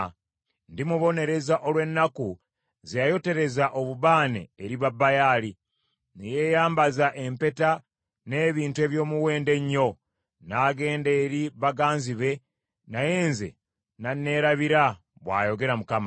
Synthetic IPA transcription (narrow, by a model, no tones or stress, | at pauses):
ndimuβo̞ne̞ɾe̞zaʔo̞lwe̞nːaku | zejajo̞te̞ɾe̞zaʔo̞βuβaːnḛːɾiβabːajaːli | neje̞ːjaːmbazaʔe̞mpe̞ta | ne̞ːβiːntue̞ːβjo̞ːmuwe̞ːnde̞ɲːo̞ | naːɡe̞ːndeːɾiβaɡaːnziβe̞ | naje̞ːnze̞̰ | nanːe̞ːɾaβiɾa | βwa̰ːjo̞ɡe̞ɾamukama